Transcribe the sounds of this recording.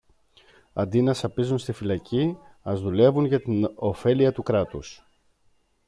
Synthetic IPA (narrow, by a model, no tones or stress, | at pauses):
ɐ̰nd̪inɐsɐpizunst̪ifilɐci | ɐzðule̞vunʝɐt̪ino̞fe̞liɐt̪ukɾɐt̪us